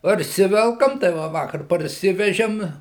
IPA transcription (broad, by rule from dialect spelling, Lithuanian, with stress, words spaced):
pɐrʲˈsʲɪʋʲɛlˠkɐm tɐɪ ˈʋɐ ˈʋɑːkɐr pɐrʲˈsʲɪʋʲɛʒʲɪm